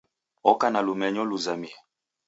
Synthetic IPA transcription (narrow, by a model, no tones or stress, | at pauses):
ɔkanalumɛɲɔluzamia